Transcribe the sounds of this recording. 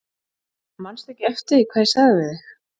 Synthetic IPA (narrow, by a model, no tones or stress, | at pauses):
manst̪ɛhcɪɛft̪ɪikʰvaːjsaɣðɪvɪðɪ